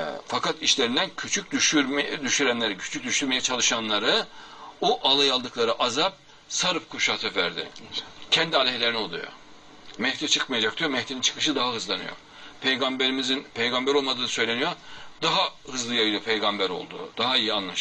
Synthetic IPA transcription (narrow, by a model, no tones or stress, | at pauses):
fakat̪iʃlʲeɾind̪æncʰyt͡ʃʰyc̚d̪yʃyɾd̪yʃyɾænlʲeɾicʰy̥t͡ʃʰyc̚d̪yʃt̪yɾmejɛt͡ʃʰalˠɯʃanlˠaɾɯoʔalˠajalˠd̪ɯklˠaɾɯʔazap̚ | saɾɯp̚kʰuʃat̪ʰɯvæɾd̪ɪ̰cʰɛnd̪ialʲɛɦlʲeɾiniolˠṵjo̰ | mɛht̪ʰit͡ʃʰɯkmajad͡ʒak̚t̪ʰujomɛht̪ʰinint͡ʃʰɯ̥kʰɯʃɯd̪aɦaɦɯzlˠanɯ̰jo̰ | pʰejɡambeɾimizinpʰejɡambæɾo̞lˠmad̪ɯːnɯsø̞jlʲe̞nijod̪aɦahɯzlˠɯjabilˠopʰejɡambæɾo̞̰lˠd̪ṵd̪̥aɦaijianlˠaʃ